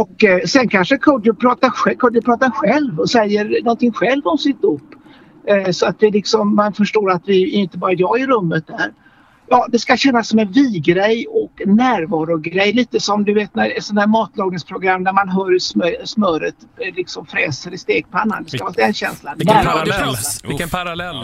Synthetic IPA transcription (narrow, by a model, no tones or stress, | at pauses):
ɔksɛnkʰanʂəkʰad̪jʊpʰɾɑːt̪aɾɧɛkʰɔd̪jʊpʰɾɑːt̪aɾɧɛlvɔsɛjːəɾnɔnt̪ɪŋːɧɛlvɔmsɪt̪̚ʊpː | sɔat̪̚d̪ɛlɪksɔmːanfœʂʈoːɾat̪vɪɪɪnt̪əbɑːɾajɑːɡɪɾɵmːət̪̚d̪æːɾ | jɑːd̪ɛskaɕɛnːasːɔmɛnviːɡɾɛjɔknæːɾvɑːɾʊɡɾɛjːliːt̪əsɔmd̪ɵveːt̪næɾɛt̪sɔnhæːɾmɑːt̪lɑːɡnɪŋspʰɾʊɡɾamːnæɾmanɦœːɾsmœsmœːɾət̪ | lɪksɔmfɾɛːsəɾɪst̪eːɡ̥̚pʰɔanːa̰nd̪ɛskavt̪ɛnɕɛnslanæːɾvɑːɾɛnsa